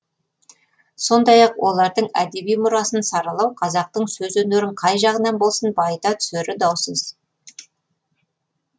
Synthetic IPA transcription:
so̞nd̪ɑjɑqwo̞lˠɑɾd̪əɴæd̪e̞bijmʊɾɑsənsɑɾɑlˠɑwqʰɑzɑq̚t̪əɴsɵzɵneɾɪɴqʰɑjʒɑʁənɑnbo̞lˠsənbɑjət̪ɑt̪ʰʏ̥seɾɪd̪ɑwsəz̥

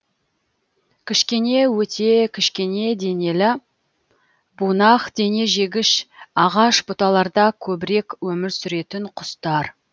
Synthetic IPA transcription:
kʲʰɪʃkʲe̞ne̞wɵt̪ʰe̞kʲʰɪʃkʲe̞ne̞d̪e̞ne̞lɪ | bunɑqd̪̥e̞ne̞ʒe̞ɡʲɪʃɑʁɑʃbʊt̪ɑlˠɑɾd̪ɑkʲʰɵbɪɾe̞kwɵmɪɾsʏɾe̞t̪ɪɴqʰʊst̪ɑɾ

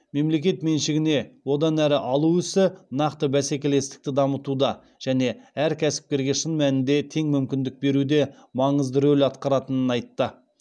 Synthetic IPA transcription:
me̞mle̞kʲe̞t̪me̞nʃɪɡʲɪne̞wo̞d̪ɑnæɾɪʔɑlˠuɪsɪnɑqt̪əbæsekʲe̞le̞st̪ɪ̥k̚t̪ɪd̪ɑmət̪ud̪ɑ | ʒ̥æne̞æɾkʲʰæsɪ̥p̚kʲe̞ɾɡʲe̞ʃənmænɪnd̪e̞t̪ʰe̞ŋmʏmkʲɪnd̪ɪk̚be̞ɾud̪e̞ | mɑɴəzd̪əɾɵlɑt̪̚qɑɾɑt̪ənənɑjt̪ːə

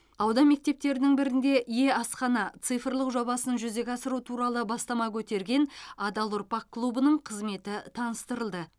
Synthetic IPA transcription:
ɑwd̪ɑme̞k̚t̪e̞p̚t̪e̞ɾɪnɪŋbɪɾɪnd̪e̞ʔje̞ɑsqɑnɑt̪sɨjfəɾlˠəqʒo̞bɑsənʒʏze̞kʲɑsəɾut̪ʰuɾɑlˠəbɑst̪ɑmɑkʲʰɵt̪e̞ɾɡʲe̞nad̪ɑlˠʊrpɑq̚kːlˠubənəɴqʰəzme̞t̪ɪt̪ʰɑnəst̪əɾəlˠd̪ə

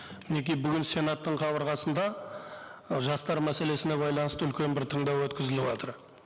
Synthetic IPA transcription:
mɪne̞kʲijbʏɡʲɪnse̞nɑt̪ːəɴqʰɑβəɾʁɑsənd̪ɑ | ʒɑst̪ɑɾmæse̞le̞sɪne̞βɑjlˠɑnəst̪əʏlkʲe̞nbɪɾt̪ʰəɴd̪ɑwwɵt̪kʲɪzɪlɪwot̪əɾ

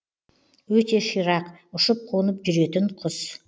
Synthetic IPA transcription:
wɵt̪e̞ʃijɾɑqʊʃʊp̚qʰonəpʒʏɾe̞t̪ɪɴqʰʊz

